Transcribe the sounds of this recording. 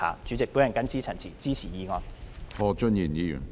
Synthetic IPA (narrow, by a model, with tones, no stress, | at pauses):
a̰ː˨˥t͡ʃy˨˥t͡sɪ˨k̚pu˨˥jɐ˨nkɐ˥nt͡sʰiː˥t͡sʰɐ˨˩t͡sʰiː˨˩t͡siː˥t͡sʰiː˨˩jiː˧ŋɔː˨˧nɔː˨˧t͡ʃə˥nji˨˩njiː˧jy̰˨˩n